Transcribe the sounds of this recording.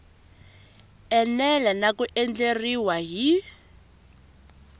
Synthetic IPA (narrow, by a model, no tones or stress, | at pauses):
ɛnɛlanakuʔɛnd͡ɮeriwaɦi